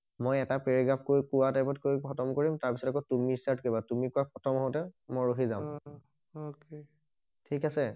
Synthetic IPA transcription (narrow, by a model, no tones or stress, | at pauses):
mojɛtapeɹiɡap̚ʰkojkuwatajpɔtkojʰɔtɔmkoɹimtaɹpisɔtakɔtumistaɹt̚kobatumikuapɔtʰɔmɔɦɔtɛmɔjɹoɦizãʊ̃m | oke | tʰikasɛ